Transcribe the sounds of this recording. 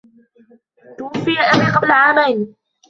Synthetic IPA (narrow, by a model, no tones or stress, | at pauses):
t̪ʊwʊfːɪjaʔabiːqɑblaʕaːmajn